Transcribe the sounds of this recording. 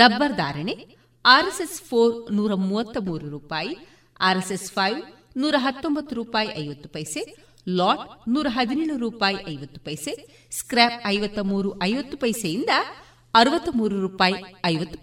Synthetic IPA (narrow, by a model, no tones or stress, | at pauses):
ɾɐbːɐɾd̪a̰ːɾɐɳe | aːɾesespʰoːɾnuːɾɐmuːʋɐt̪ːɐmuːɾuɾuːpaːji | aːɾesespʰɐjʋ | nuːɾɐɦɐt̪ːombɐt̪ːuɾuːpaːjiʔɐjʋɐt̪ːu̥pɐjse | laːʈnuːɾɐɦɐd̪ineːɭuɾuːpaːjiʔɐjʋɐt̪ːu̥pɐjse | skɾeːpɐjʋɐt̪ːɐmuːɾuʔɐjʋɐt̪ːupɐjsɐjind̪ɐ | ɐɾuʋɐt̪ːɐmuːɾuɾuːpaːjiɐjʋɐt̪ːu